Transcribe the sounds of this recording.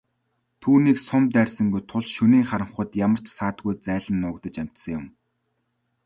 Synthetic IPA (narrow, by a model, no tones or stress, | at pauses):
t̪ʰuːniːksʊmt̪ærʲsə̆ŋɡujt̪ʰʊɮʃɵniːŋχaɾə̆ɴχə̆t̪jamə̆r̥t͡ɕsaːt̪ɡujt͡sæːɮə̆nːʊːkt̪ə̆t͡ɕam̥ʲt̪sə̆ŋjʊm